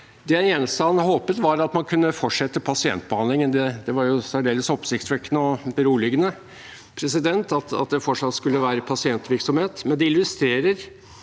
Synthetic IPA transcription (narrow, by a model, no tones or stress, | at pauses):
d̪ɛæɛːnəst̪ɑnhoːpət̪ʋɑɾɑt̪mɑnkʰʉnːəfɔʈʂɛt̪ːəpʰɑsɪɛ̰nt̪̚bəɑnd̪lɪŋənd̪ɛd̪ɛʋɑɾjʊsæɖeːləsɔpsɪkt̪sʋɛkːənəɔbəɾuːlɪɡənə | pʰɾɛsɪd̪ɛnt̪ɑt̪ɑ̰t̪̚d̪ɛfɔʂɑt̪skʉlːəʋæːɾəpʰɑsɪɛnt̪ʋɪɾksɔmheːt̪mɛnd̪ɛɪlːʉst̪ɾeːɾəɾ